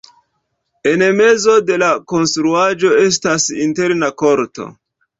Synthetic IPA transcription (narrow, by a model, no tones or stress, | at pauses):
e̞nme̞zo̞de̞lako̞nstɾuad͡ʒo̞e̞s̬tasinte̞ɾnako̞ɾto̰